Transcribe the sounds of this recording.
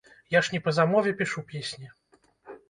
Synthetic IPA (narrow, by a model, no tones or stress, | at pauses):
jaʂnʲɛpɐzamɔvʲɛpʲiʂupʲesʲnʲi